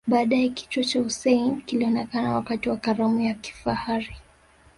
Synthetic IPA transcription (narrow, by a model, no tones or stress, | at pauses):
ɓaːɗaɛki̥twɔt͡ʃahusɛinkiliɔnɛkanawakatiwakaɾamujaki̥fahaɾi